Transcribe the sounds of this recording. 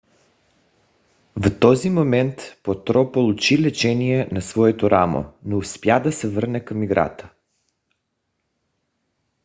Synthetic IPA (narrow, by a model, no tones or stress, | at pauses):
vt̪ɔzimomɛnt̪pot̪ɾɔpolˠut͡ʃilɛt͡ʃɛnijɛnasvɔɛt̪oɾʔamo̰nouspjad̪asɛvəɾnɛkamiɡɾa̰t̪ə̥